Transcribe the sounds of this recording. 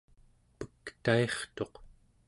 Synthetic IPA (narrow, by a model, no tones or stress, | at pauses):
pə̥kt̪ae̞χt̪o̞q